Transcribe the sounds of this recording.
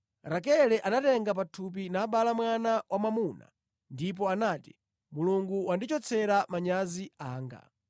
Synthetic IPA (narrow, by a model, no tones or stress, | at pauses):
ɾakɛlɛʔanatɛŋɡap̬atʰup̬inaːɓalamwanawʔamamuna̰ | ndip̬ɔanaːti̥ | muluŋɡuwandit͡ʃɔt͡sʰɛɾamaɲaziaːŋɡa̰